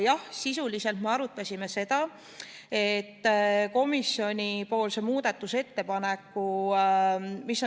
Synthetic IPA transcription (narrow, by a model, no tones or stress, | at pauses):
jɑhsisulise̞lt̪me̞ɑɾut̪ːˑɑsʲime̞se̞d̪̥ɑ | e̞t̪ːko̞misːjo̞nʲipo̞ːlsemuːd̪̥et̪ːˑuse̞t̪ːe̞pɑne̞kːu | miso